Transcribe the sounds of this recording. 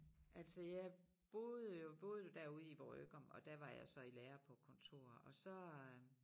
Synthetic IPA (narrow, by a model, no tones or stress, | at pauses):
ʔæl̰səjɑ | b̥o̝ðˠjo̝b̥o̝ð̞ˠjo̝d̥æɐ̰uð̞ˠiʋɒø̰ːɡ̥ɒmɒ̽d̥æɐʋɑ̈jɑ̈ɪsɒ̽ileːɐpʰɒ̽kʰɔ̽nt͡sʰo̝̰ːɐ̰ɒ̽sɒ̽